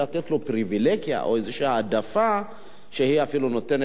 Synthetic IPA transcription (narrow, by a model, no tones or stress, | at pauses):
at̪ɛt̪lopɾivilɛɡia̰ʔoɛzɛʃiaːdafa | ʃehiafilunɔtɛn